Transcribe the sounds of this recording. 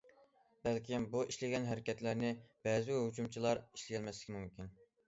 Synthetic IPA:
bɛlkʲimbuiʃlɪɡʲɛnɦɛɾɪkʲɛt̪læɾnɪb̥ɛzɪɦut͡ʃumt͡ʃʰilˠɑɾi̥ʃlɪɡʲɛlmɛslɪkʲɪmumkʲin

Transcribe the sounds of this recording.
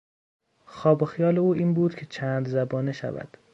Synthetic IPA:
xɒːbexijɒːleuːiːnbuːd̪̥cʰe̞t͡ʃʰæːnd̪zæbɒːneʃæ̰væ̰d̪̥

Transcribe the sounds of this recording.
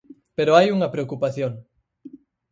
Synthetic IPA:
peɾoajuŋɐpɾeokupaθjoŋ

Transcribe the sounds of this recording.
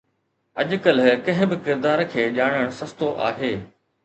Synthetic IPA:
ɐʄkəlkɐ̃ɦɪ̃bɪkɪɾd̪aːɾkʰeːʄaːɽ̃əɽ̃sɐst̪oʔa̰ːɦeː

